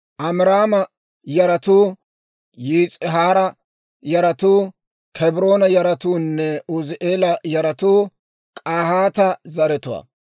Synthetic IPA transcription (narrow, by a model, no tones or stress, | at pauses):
ʔɐmɪɾaːmɐ | jɐɾɐt̪uː | jiːt͡sʼɪɦaːɾɐ | jɐɾɐt̪uː | kʰɛbɪɾo̞ːnɐjɐɾɐt̪uːnːɛʊzɪʔeːlɐjɐɾɐt̪uː | kʼaːhaːt̪ɐzɐɾɛt̪ʊwɐ̰